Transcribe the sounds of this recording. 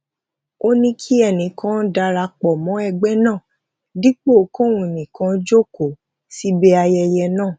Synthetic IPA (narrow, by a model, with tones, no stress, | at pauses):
o˦nĩ˧kʰi˦ɛ˦˨nĩ˨˦kʰã˦da˧ɾa˧k͡pɔ˨mɔ̃˨˦ɛ˧ɡ͡bɛ˦nãː˦˨ | di˦k͡po˦˨˦kõ˦˨wũ˧˨nĩ˨kã˨˧˦d͡ʒo˦ko˨ | si˦bɛ˦a˧jɛ˧jɛ˧nãː˦˨